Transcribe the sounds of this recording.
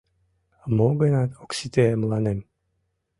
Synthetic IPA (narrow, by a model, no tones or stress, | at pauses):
moɡenɑt̪oksit̪emlˠɑnem